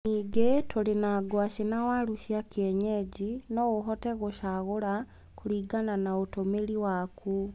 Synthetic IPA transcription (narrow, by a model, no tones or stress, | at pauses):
niɡetʰolenaɡwaʃinawaluʃiakjeɲeɟinoɣoɦɔteɣoʃaɣola | kuliːɡananaotomeliwakʰu